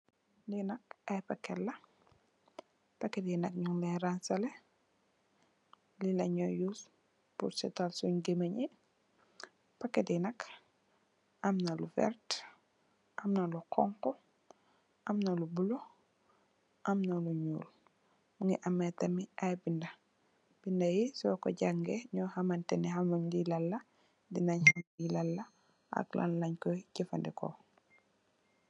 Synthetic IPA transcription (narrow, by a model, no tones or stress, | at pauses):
linɐkɐjpɐkːɛlːɐ | pɐkːɛtinɐk̚ɲuŋlɛɾansɐlɛ | lilɐɲɔjus | pṵɾsɛ̰talsuɲɡemɐɲi | pɐkːɛtinɐk | ʔɐmnɐlufɛ̰ɾt | ʔɐmnɐluqɔ̰ŋkɔ | ʔamnɐlubulo | ʔamnaluɲṵːl | muŋiʔamːetɐmiʔajbindɐ | b̥indajisɔko̰ɟaŋɡeɲɔːhamantɛniɦamuɲdilalːɐ | dinaɲhamilalːɐ | ʔa̰klʔa̰nlaɲkocifa̰ndiko̰